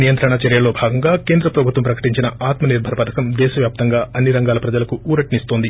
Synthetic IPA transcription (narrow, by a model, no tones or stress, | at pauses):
nijɐnt̪ɾɐɳɐt͡ʃɐɾjɐlo̞ːbʱaːɡɐŋɡaːke̞ːnd̪ɾɐpɾɐbʱut̪ʋɐmpɾɐkɐ̥ʈiɲt͡ʃinɐʔaːt̪mɐniɾbʱɐɾɐpɐd̪ʱɐkɐmd̪ɛːʃɐʋjaːp̚t̪ɐŋɡaːɐnːiɾɐŋɡaːlɐpɾɐd͡ʒɐlɐkuuːɾɐʈinist̪ond̪i